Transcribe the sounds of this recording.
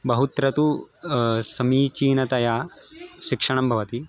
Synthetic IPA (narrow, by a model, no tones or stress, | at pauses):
bɐɦut̪ɾɐt̪u | sɐmiːt͡ʃiːnɐt̪ɐjaːʃikʂɐɳ̃ɐmbʱɐʋɐt̪i